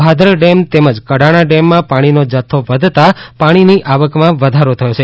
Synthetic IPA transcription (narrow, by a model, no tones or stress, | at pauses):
bʱad̪ʱɾəɖemt̪eməd͡ʒkəɽaɽ̃ãɖemːãpaɽ̃inod͡ʒət̪ʰːoʋəd̪ʱt̪apaɽ̃iniʔaʋəkmãʋəd̪ʱaɾot̪ʰəjot͡ʃʰe